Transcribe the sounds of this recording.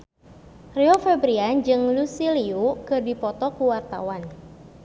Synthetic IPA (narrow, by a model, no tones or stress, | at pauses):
riofɛbɾiand͡ʒɨŋlusiliukɨrdipɔt̪ɔkuwart̪a̰wan